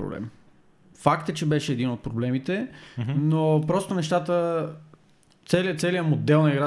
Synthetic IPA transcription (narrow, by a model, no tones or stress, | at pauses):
ɾo̰blɛ̰m | fakt̪ət͡ʃɛbɛʃɛːd̪inot̪̚pɾoblɛmit̪ɛnopɾɔst̪onɛʃt̪at̪ə | t̪sɛliət̪sɛlijəmod̪ɛlˠnɐiɡɾa